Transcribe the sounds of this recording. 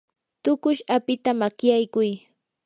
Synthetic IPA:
t̪ʊkʊʃapɪt̪amakjajkʊj

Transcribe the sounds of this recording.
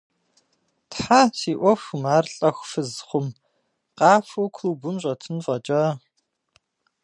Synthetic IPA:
tħaːtʰiːʔʷɔfmaːrɬʼɐxʷfɨzχʷʊm | qɑːfowkʷʰluːbumɕʼɐtʰɨnfɐt͡ʃʼɐ

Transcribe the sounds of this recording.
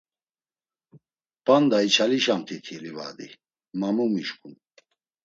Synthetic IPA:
pand̪ait͡ʃʰaliʃamt̪ʰit̪ʰiliva̰d̪i | mamumiʃkʼun

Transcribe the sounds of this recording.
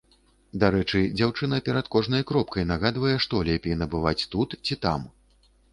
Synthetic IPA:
d̪aɾɛt͡ʂɨd͡zʲawt͡ʂɨn̪ɐpʲɛɾɐt̪kɔʐn̪ɐjkɾɔp̚kɐjnaɣad̪vɐjɛʂt̪ɔlʲɛpʲɛjnɐbɨvat͡sʲt̪ut̪t͡sʲit̪a̰m

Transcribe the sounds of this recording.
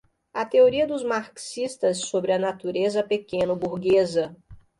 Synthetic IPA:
ɐt̪eoɾiɐd̪ʊzmaɾksist̪ɐsːobɾɪɐnat̪uɾezɐpekẽnɐbuɾɡezɐ

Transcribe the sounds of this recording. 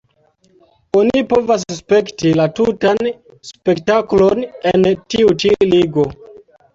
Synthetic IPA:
onipo̞vas̬spe̞ktilatutan | spe̞ktaklo̞nentiut͡ʃiliɡo̞

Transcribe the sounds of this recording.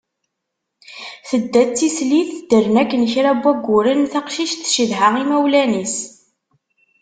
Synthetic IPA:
θəd̪ːæt͡sːisliθd̪əɾnækːənçɾæbːæɡʷːʊɾənθaqʃiʃt̪ʃiðɦəʁimæwlænis

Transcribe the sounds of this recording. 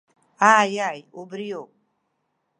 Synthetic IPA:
aːjajubɾijo

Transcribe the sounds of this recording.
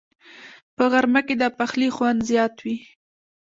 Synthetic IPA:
pəɣaɾmaked̪ɑpaxlixwand̪zjɑt̪wi

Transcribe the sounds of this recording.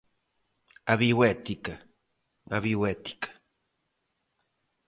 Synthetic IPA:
aβiwet̪ika | a̰βiwet̪i̥kḁ

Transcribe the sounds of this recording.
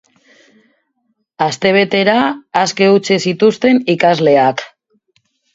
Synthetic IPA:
ast̪e̞β̞e̞t̪e̞ɾaːske̞ut͡sesit̪ust̪e̞nikazle̞ak

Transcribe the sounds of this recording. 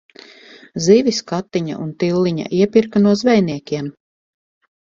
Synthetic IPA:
ziviskat̪ːiɲa̰ʔunt̪ilːiɲa̰ʔiɛpiɾkanuɔzvɛjniɛkʲiɛm

